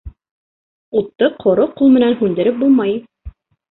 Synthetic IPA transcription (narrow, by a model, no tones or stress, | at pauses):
ut̪ːɤqʰŏɾoqulˠmɘ̆nænɦʉnd̪ɘ̆ɾɘp̚bulˠmɑj